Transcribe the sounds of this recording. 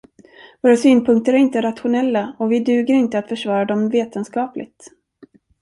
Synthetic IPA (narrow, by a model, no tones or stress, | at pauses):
voːɾasyːnpʰɵŋk̚t̪əɾæɾɪnt̪əɾat̪ɧʊnɛlːaɔvɪd̪ʉ̟ːɡəɾɪnt̪əat̪fœʂvɑːɾad̪ɔmveːt̪ənskɑːplʔɪ̰ɡ̚t̪